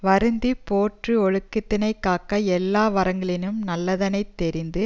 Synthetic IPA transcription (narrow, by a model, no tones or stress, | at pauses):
ʋɐɾɯnd̪ipoːʈrɯɔɻɯkːɯt̪ːɪnɐɪkːaːkːɐɛlːaːʋɐɾɐŋɡɐɭɪnɯmnɐlːɐðɐnɐɪt̪ːɛɾɪnd̪ɯ